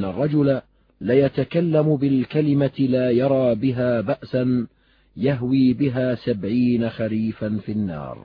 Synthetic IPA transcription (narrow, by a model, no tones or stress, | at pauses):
nːarˤːɑd͡ʒʊla | lajat̪akalːamʊbɪlkalɪmatlaːjɑɾˤɑːbɪɦaːbaʔsan | jaɦwiːbɪɦaːsabʕiːnaxaliːfanfinːɑ̰ːɾˤ